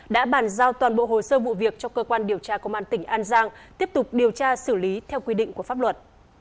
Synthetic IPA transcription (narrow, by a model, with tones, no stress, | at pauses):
ɗa̰ː˧˥ɓaː˧˩nzaː˧wt̪waː˨˩nɓo̰˧˨ho̰˧˨səː˧vṵ˧˨vi˨˩ək̚t͡ɕɔ˧kəː˧kwaː˧nɗi˨˩əwt͡ɕaː˧kə˧ŋ͡mʔaː˧nt̪ï˧˩ŋ̟ʔaː˧nzaː˧ŋt̪i˦˥əp̚t̪ʊ˨˩k͡p̚ɗi˨˩əwt͡ɕaː˧sɨ˧˩li˨˦t̪ʰɛ˧wkwi˧ɗḭ̈˧˨ŋ̟ku˧˩əfaː˦˥p̚lwə˨˩t̚